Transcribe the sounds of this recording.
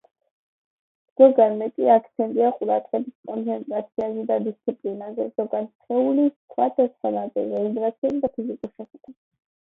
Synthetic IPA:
ɡ̥ɔɡanmɛkʼiakʰt̪sʰɛnt̪ʼiaqʼuɾad̪ʼʁɛbiskʼɔnt̪sʰɛnt̪ʼɾat̪sʰiazɛd̪ad̪ist̪sʰipʼlinazɛz̥ɔɡant̪sχɛulisvwat̪ʰasanad̪ɛ̰ɾɛiɡ̪ɾat̪sʰiɛzid̪apʰizikʼuɾʃɛχɛd̪̥a

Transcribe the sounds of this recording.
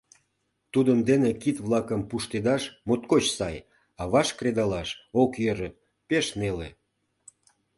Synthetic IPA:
t̪ud̪ənd̪enekit̪βlɑkəmpuʃt̪ed̪ɑʃmot̪kot͡ɕsɑj | ɑβɑʃkred̪ɑlɑʃokjøɾə̆ | peʃnele

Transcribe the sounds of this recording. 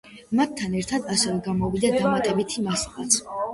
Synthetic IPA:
mat̪ʰːanɛɾt̪ʰad̪asɛvɛɡamɔvid̪ad̪amat̪ʼɛbit̪ʰimasala̰

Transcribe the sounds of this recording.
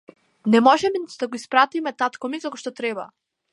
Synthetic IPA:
nɛmɔʒɛmɛd̪aɡoispɾat̪imɛt̪at̪kɔmizakɔʃt̪ɔt̪ɾɛba̰

